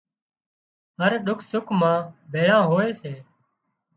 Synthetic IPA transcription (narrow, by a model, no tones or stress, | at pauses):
ɦəɾɗʊkʰsʊkʰmãːbʱeːɭãːɦoːeːseː